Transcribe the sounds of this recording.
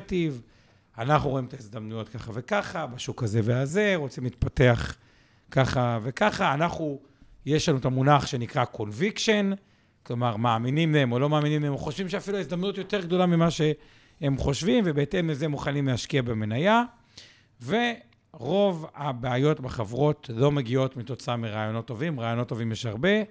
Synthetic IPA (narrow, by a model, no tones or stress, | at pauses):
tiv | anaχnuʁo̞imt̪aizd̪amnujo̞tkaχave̞kaχabaʃukaze̞veaze̞ʁo̞t͡simlit̪pate̞aχ | kaχave̞kaχaːnaχu | je̞ʃlanuet̪amunaχʃe̞nikʁakʰo̞nvikʃe̞n | klo̞maʁmaːminimlehemolo̞maːminimleemoχo̞ʃvimʃeafiluaizd̪amnutjo̞te̞ʁɡd̪o̞lamimaʃe̞ | hemχo̞ʃvimvebeete̞mːezemuχanimlehaʃkiabemenaja | ve̞ | ʁo̞vabeajo̞tbaχavʁo̞tlo̞meɡio̞tmito̞t͡saamiʁaːjo̞no̞t̪ːo̞vimʁaːjo̞not̪ːo̞vimjeʃaʁbe̞